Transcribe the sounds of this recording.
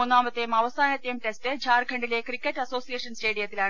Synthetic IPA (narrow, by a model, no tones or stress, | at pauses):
unːaːmɐt̪ːejumɐʋɐsaːnɐt̪ːjɐjumʈestɨt͡ɕʰaːrkʰɐɳɖile̞krikʲːɐtːɐso̞ːsijeːʂɐnste̞ːɽijɐt̪ːilaːɳ